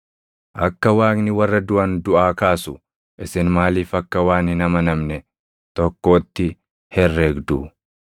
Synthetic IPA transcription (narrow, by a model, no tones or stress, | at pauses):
ʔɐkːɐwaːknɪwɐrːɐd̪ʊʔɐnd̪ʊʔaːkaːsʊ | ʔɪsɪnmaːliːfɐkːɐwaːnhɪnɐmɐnɐmnɛ | t̪ɔkːo̞ːt̪ːɪ | hɛrːeːɡd̪u